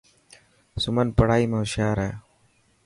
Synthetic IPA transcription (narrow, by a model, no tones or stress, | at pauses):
sʊmənpəɽaːiːmẽːʊʃjaːɾeː